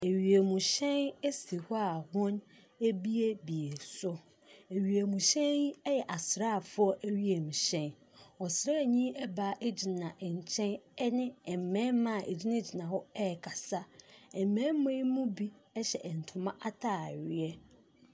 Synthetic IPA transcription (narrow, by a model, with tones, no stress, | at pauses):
e˨ɥi˨e˨mũ˨ɕɛ̃˦ne˦si˨hʊ˦a˨hʊ̃˦n | e˦bi˦e˦bi˨e˨sʊ˦ | e˨ɥi˨e˨mũ˨ɕɛ̃˦i˦ɛ˦jɛ˨ʔa˨sɾa˦˨fʊ˦ɔ˦ʔæ˦ɥi˦e˨mũ˨ɕɛ̃˦n | ɔ˨sɾa˦˨ɲĩ˦ɛ˦ba˨˦ʔe˦d͡ʑi˨nã˨ʔɛ˨ɲ˨t͡ɕʰɛ̃˦nɛ˦nɪ̃˦ɛ˨m˨mɛ̃˦mã˦˨ʔḛ˨d͡ʑi˦nã˦d͡ʑi˨nã˨hɔ˦ɛ˦˨kʰa˨sa˦ɛ˨m̩˨mːɛ̃˦m˦mẽ˦mũ˦bi˦ɛ˦ɕɛ̰˨ʔɛ˨n̩˨tʰʊ̃˨˦mã˦ʔa˦tʰaː˦˨ɥɪ˦ɛ˦